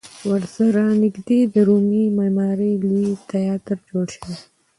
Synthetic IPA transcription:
wəɾsaɾanɪɡd̪ed̪əɾumimamɑɾelit̪ajɑt̪əɾd͡ʒoɽʃəwe

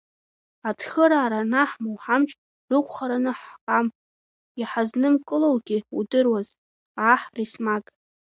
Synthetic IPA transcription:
atʰxəɾaːɾanaħmowħamt͡ʃʼ | rɨkʷʰʼχaɾanɨħqʼam | iħaznɨmkʼɨlowɡʲiṵdɨrwaz | aħrismakʼ

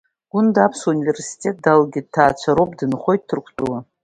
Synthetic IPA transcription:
ɡ̥ʷʊndapʰsunive̞rsi̥tʰʼe̞t̚dalɡʲɪd̚tʰːaːt͡ɕʷʰaɾowpʼdɨnχo̞jtːɨrkʷʰt͡sʼula

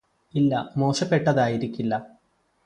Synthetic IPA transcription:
ilːɐmo̞ːʂɐpːe̞ʈːɐðaːjiɾikʲːilːɐ

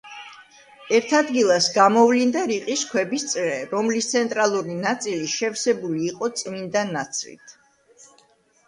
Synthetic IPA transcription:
ɛɾt̪ʰad̪ɡilˠasɡamɔvlind̪aɾiqʼiskʰwɛbist̪sʼɾɛɾɔmlist̪sʰɛnt̪ʼɾalˠuɾinat̪sʼiliʃɛfsɛbuliːqʼɔt̪sʼmind̪anat̪sʰlḭt̪ʰ

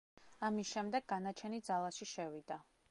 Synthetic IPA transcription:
amisʃɛmd̪ɛɡːanat͡ʃʰɛnid̪zalˠaʃiʃɛvid̪a

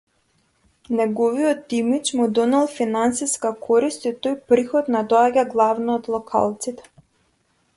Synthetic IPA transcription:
nɛɡɔvijɔt̪imit͡ʃmud̪ɔnɛlˠfinansiskakʰɔɾist̪it̪ojpɾixɔt̪nad̪ɔaɟaɡlˠavnɔːt̪lˠɔkʰa̰lˠt̪sit̪ɛ̥

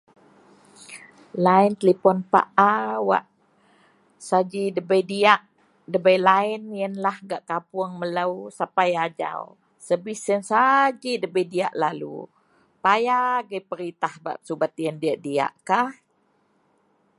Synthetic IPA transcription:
laɪnt̪əlipɔnpa̰ʔawa̰ʔ | sad͡ʒidəbəjdiaʔ | dəbəjlaɪnjənlahɡaʔkapʊəŋmələwsapajad͡ʒa̰w | səbisənsad͡ʒidəbəjdia̰ʔlalṵ | pajaɡəjpəɾit̪ahba̰ʔsubat̪̚ijəndiaʔdia̰ʔkah

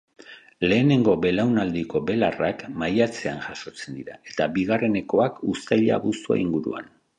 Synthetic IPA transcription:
le̞ːne̞ŋɡo̞be̞lawnald̪iko̞be̞larakmajat͡se̞anʝaʃo̞t͡se̞nd̪iɾae̞t̪abiɣare̞ne̞ko̞akust̪ajʎa̰βust̪ua̰iŋɡuɾṵa̰n

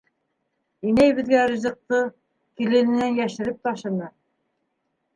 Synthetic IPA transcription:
inæjβɘ̆ðɡæɾĭzɤ̆q̚t̪ɤ | kilɘ̆nɘ̆nænjæʃɘ̆ɾɘp̚t̪ɑʃɤ̆nɤ

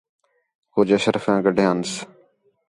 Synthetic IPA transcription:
koːd͡ʒəʃəɾfãːɡəɖʱjãːns

